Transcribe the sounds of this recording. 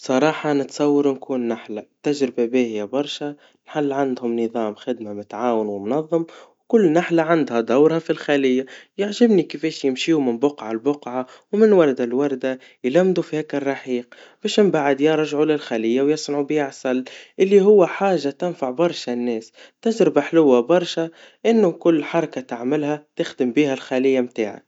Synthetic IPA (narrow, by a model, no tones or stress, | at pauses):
sˤɑɾˤɑːħɑnɪt̪sˤɑwːɑɾunkʰuːnːaħlat̪aʒɾɪbabæːhɪjabɑɾˤʃa | nħalːʕand̪hʊmnɨðˤɑːmxɪd̪mamʊt̪aʕaːwɪnwɪmʊnɑðˤːɨmwkʊlːnaħlaʕand̪had̪awɾhafilxalɪjːajɪʕʒɪbnikɪfɛːʃjɪmʃiːwmɪnbʊqʕalbʊqʕawmɪnwɑɾˤd̪alwɑɾˤd̪a | jlæmd̪ufihɛːkɪrˤːɑħiːqb̥ɛːʃɪmbaʕɪd̪jɑɾˤʒʕulɪlxalɪjːawjɑsˤnʕubiaʕsɑlːʔɪlːiɦʊwːæħaːʒːat̪ɪnfaʕbɑɾˤʃanːɛːst̪aʒɾɪbaħlʊwːabɑɾˤʃa | ʔɪnːʊkʊlːħɑɾˤɑkat̪aʕmɪlhæt̪ɪxd̪ɪmbiːhælxalɪjːamt̪aːʕa̰